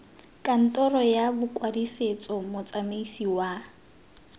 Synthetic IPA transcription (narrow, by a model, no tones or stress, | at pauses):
kʼan̩tʼɔrɔjabʊkʼwadiset͡sʼɔmʊt͡sʼameisiwa